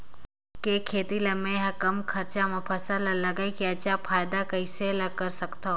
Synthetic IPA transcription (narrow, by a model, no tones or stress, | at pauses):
kekʰeːt̪ilɐmẽɦɐ̃kɐmkʰɐɾt͡ʃamẽpʰɐsalalɐɡaikiat͡ʃapʰaːjd̪akɐɪselakɐɾsɐkt̪a